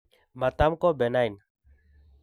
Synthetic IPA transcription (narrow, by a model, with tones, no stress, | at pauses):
ma˨t̪a˦mkɔ˦bɛ˨najn